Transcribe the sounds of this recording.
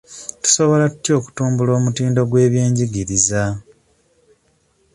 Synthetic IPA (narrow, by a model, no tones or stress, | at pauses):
tu̥so̞βo̞latu̥tjo̞ːku̥tuːmbulo̞ːmutiːndo̞ɡwe̞ːβjeːɲɟiɡiɾiza